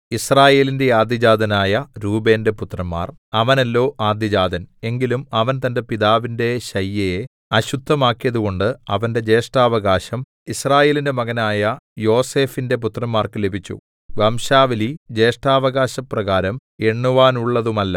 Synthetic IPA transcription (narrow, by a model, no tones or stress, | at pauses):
israːje̞ːlinde̞aːd̪jɐd͡ʑaːd̪ʱɐnaːjɐɾuːbe̞ːnde̞put̪rɐmːa̰ːrɐʋɐnɐlːo̞ːʔaːd̪jɐd͡ʑaːd̪ʱɐne̞ŋɡilumɐʋɐnt̪ɐnde̞piðaːʋinde̞ɕɐjːɐje | ɐɕud̪ʱːɐmaːkːijɐðuɣo̞ɳɖɨɐʋɐnde̞d͡ʑe̞ːʂʈaːʋɐɣaːɕɐm | israːje̞ːlinde̞mɐɣɐnaːjɐjo̞ːse̞ːfinde̞p̬ut̪rɐmːaːrkɨlebʱit͡ɕːṵ | ʋɐmɕaːʋɐlid͡ʑe̞ːʂʈaːʋɐɣaːɕɐprɐɣaːɾɐme̞ɳːuʋaːnuɭːɐðumɐlːɐ